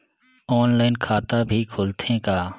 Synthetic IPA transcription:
ɔːnlaːɪnkʰaːt̪abʱiːkʰʊːlt̪ʰẽːkaː

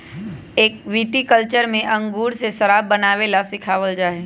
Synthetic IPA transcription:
eːk̚ʋiːʈikəlt͡ʃəɾmẽʔɐ̃ŋɡuːɾseʃɐɾaːbːɐnaːʋelasɪkʰaːʋəld͡ʒaːe

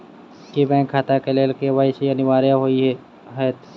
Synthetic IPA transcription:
kibɛ̃ːŋkʰːaːt̪akelelkeʋəiseɐnɪʋaːɾjaɦoiɦɛ | ɦɛːt̪ʰ

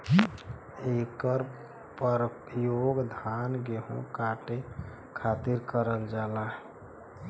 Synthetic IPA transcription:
ekəɾ | pəɾ | joɡd̪ʱanɡeɦõ̰kaʈe | kʰat̪iɾkəɾəld͡ʒalaɦ

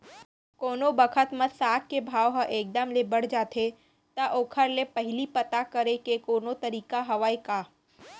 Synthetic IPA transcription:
koːnobəkʰət̪mə̃saːk̪̚kebʱaːoɦə̃ʔeːk̚d̪əmlebɐɽ̤d͡ʒaːt̪ʰe | t̪ɐʔoːkʰəɾlepɐɦɪlipɐt̪akəɾekekoːnot̪ɐɾiːkaɦɐʋaːikaː

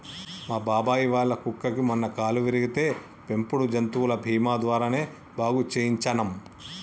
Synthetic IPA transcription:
maːbaːbaːjiʋaːɭːɐkukːɐkimɔnːɐkaːluʋiɾiɡit̪e̞ː | pe̞mpuɽud͡ʒɐnt̪uːulɐbʱiːmaːd̪ʋaːɾaːne̞ː | bʱaːɡut͡ʃeːjiɲt͡ʃɐnɐm

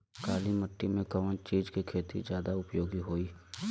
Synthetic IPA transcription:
kaːliməʈːimẽkəʋə̃t͡ʃiːd͡ʒkikʰeːt̪ḭzjaːd̪aʊpjoːɡiɦoːiː

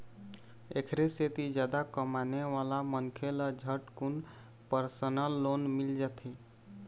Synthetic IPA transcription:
ekʰɾeset̪id͡ʒjad̪akəmaneʋalamənkʰeləd͡ʒʱəʈkun | pəɾsənəlːonmild͡ʒat̪ʰe

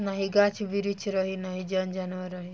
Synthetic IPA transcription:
naɦiɡat͡ʃbiɾit͡ʃʰɾɔɦinaɦid͡ʒɔnd͡ʒanʋaɾɔɦi

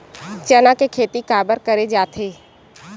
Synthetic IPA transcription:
t͡ʃɐnakekʰeːt̪ikaːbəɾkɐɾed͡ʒaːt̪ʰeː

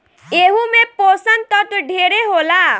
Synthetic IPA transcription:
eɦumepɔsənt̪ɔʈ̪ɖʱeɾeɦola

